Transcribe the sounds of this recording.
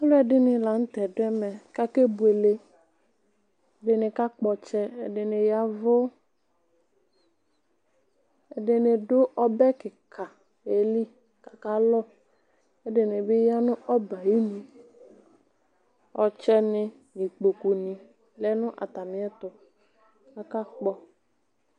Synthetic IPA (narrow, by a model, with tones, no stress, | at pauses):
a˦lʊ˦ɛ˨dɪ˦nɪ˨la˨n̩˦t̪ɛ˨dɛ˦mɛ˨ka˦ke˦bu˨e˨le˦ | ɛ˨dɪ˨nɪ˨ka˦k͡pɔ˨t͡ʃɛ˦ɛ˨dɪ˨nɪ˨ja˦vʊ˦ | ɛ˨dɪ˨nɪ˨dʊ˦ʔɔ˦bɛ˦kɪ˨kʰa˨ | e˨li˦ | ka˨ka˦lɔ˦ | ɛ˦dɪ˨nɪ˨bɪ˦ja˦nʊ̃˦ɔ˦ba˨ji˦nĩ˨ | ɔ˨t͡ʃɛ˦nɪ˨ | nĩ˨k͡po˨ku˨nĩ˨ | lɛ˦nʊ̃˦ʔa̰˨t̪a˨mɪ̃˨˦ɛ˦t̪ʊ˨ | a˦ka˦k͡pɔ˦